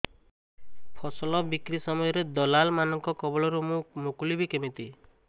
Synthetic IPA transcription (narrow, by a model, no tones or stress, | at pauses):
pʰɔsɔlɔbikɾisɔmɔjɔɾed̪ɔlalmanɔŋkɔkɔbɔɭɔɾumũmokulibʱikemit̪i